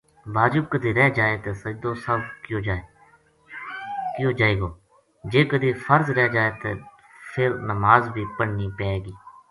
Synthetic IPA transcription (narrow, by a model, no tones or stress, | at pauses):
baːd͡ʒʊb̚kəd̪ʱiːɾɛːd͡ʒaːeːt̪eːsəd͡ʒd̪oːsəbkjoːd͡ʒaːe | kjõːd͡ʒaːeːɡoː | d͡ʒeːkəd̪iːfʰəɾzɾɛːd͡ʒaːeːt̪eː | pʰɪɾnəmaːzbʱiːpəɽniːpɛːeɡiː